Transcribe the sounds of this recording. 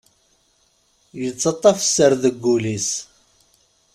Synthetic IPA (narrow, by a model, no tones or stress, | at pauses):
jət͡sːɑt̪ˤːɑfə̥sːəɾðəɡːulis